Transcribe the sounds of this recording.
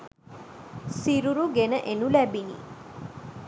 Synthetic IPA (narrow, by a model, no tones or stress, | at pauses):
siɾuɾuɡenəʔenulæbinḭ